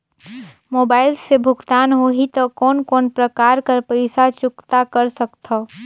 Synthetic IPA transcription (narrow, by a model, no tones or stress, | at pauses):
moːbaːɪlsebʱʊɡt̪aːnɦoɦit̪ɔkɔːnkɔːnpɾəkaːɾkəɾpəɪsat͡ʃʊkt̪akəɾsəkt̪ʰɔ